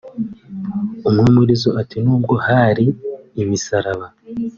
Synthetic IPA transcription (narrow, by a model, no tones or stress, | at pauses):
umŋeːmuɾizoʔatinuːb̚ɡo̞haɾiːmisaɾaβa